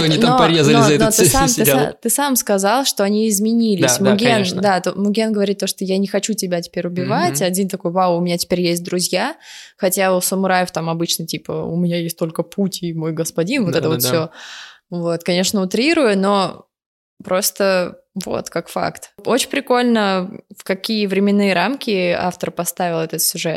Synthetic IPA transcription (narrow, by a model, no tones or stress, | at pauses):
t̪oɐnʲinmoɐɾʲezəlʲɪzɐɛnot̪ɨsamsɨt̪ɨsamskɐzɑlˠʂt̪o̞ɐnʲiɪzmʲɪnʲilʲɪsʲmʊɡʲend̪at̪omʊɡʲenɡəvɐɾʲit̪ːoʂt̪ojanʲɪxɐt͡ɕutʲɪbʲatʲɪ̥pʲeɾʲʊbʲɪvatʲɐdʲint̪ɐko̞jwawʊmʲɪnʲatʲɪ̥pʲeɾʲjesʲt̚ʲd̪ɾʊzʲjaxɐtʲausəmʊɾajɪft̪amɐbɨt͡ɕnətʲipə̰ʊ̰mʲɪnʲajesʲtʲt̪o̞lʲkəpʰutʲimo̞jɡəspɐdʲinvoɛt̪əvo̞t̪fsʲo | vo̞t̪kɐnʲe̞ʂnəʊt̪ɾʲiɾʊjʊno̞ | pɾo̞st̪ə | vo̞̰t̪kakfa̰kt̪o̞t͡ɕɪnʲpɾʲɪko̞lʲnəfkɐkʲijəvɾʲɪmʲɪnːɨjəɾamkʲɪa̰ft̪əɾpɐst̪avʲɪlˠɛt̪ət̪sʲʊʐɛt̪